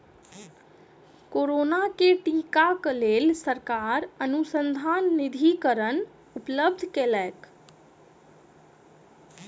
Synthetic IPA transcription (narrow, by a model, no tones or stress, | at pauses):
koɾonakeʈikaklelsəɾkaɾənusənd̪ʱanːid̪ʱikəɾən | upləb̚d̪ʱkelɛek